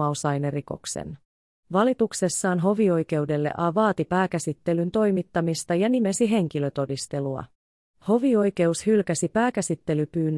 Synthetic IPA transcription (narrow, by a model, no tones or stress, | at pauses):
ɑosɑjneriko̞̰ksḛn | ʋɑlit̪ukse̞sːɑːnɦo̞ʋio̞jke̞wde̞lːḛʔɑʋɑːt̪ipæːkæsit̪ːe̞lynt̪o̞jmit̪ːɑmist̪ɑjɑnime̞siɦe̞ŋk̟ilø̞t̪o̞dist̪e̞luɑ̰ | ho̞ʋio̞jk̟e̞ushylkæsipæːkæsit̪ːe̞lypyːnː